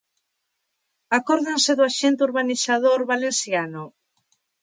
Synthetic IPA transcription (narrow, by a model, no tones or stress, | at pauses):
akɔɾðenseðʊaʃent̪euɾβanisaðoɾβalensjanʊ